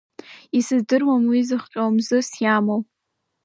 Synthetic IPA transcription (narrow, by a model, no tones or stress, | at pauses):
isɨzdɨrwamwizɨχqʲʷʼomzɨsjamow